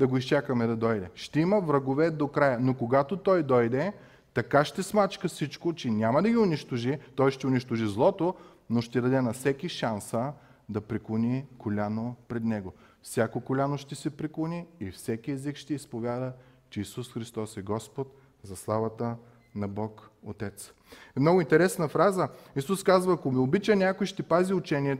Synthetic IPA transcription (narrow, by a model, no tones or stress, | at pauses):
d̪ɐɡoist͡ʃakɐmɛd̪ɐd̪ɔjd̪ɛʃt̪ɛimɐvɾɐɡovɛd̪okɾajənokoɡat̪ot̪ɔjd̪ɔjd̪ɛ | t̪ɐkaʃt̪ɛsmat͡ʃkəfsit͡ʃkot͡ʃɛnʲamɐd̪ɐɡʲiʊnʲiʃt̪oʒit̪ɔjʃt̪ɛʊnʲiʃt̪oʒizlˠɔt̪o | noʃt̪ɛd̪ɐd̪ɛnɐfsɛkiʃansə | d̪ɐpɾiklˠonikolʲanopɾɛd̪nɛɡofsʲjakokolʲanoʃt̪ɛsɛpɾiklˠoniːfsɛkiɛzikʃt̪ɛispovʲjad̪ət͡ʃɛisusxɾist̪ɔsɛɡɔspot̪ | zɐslˠavɐt̪ə | nɐbɔkot̪ɛt̪s | mnɔɡʊint̪ɛɾɛsnɐfɾazəisuskazvɐːkomiʊbit͡ʃənʲakojʃt̪ɛpaziʊt͡ʃɛniɛ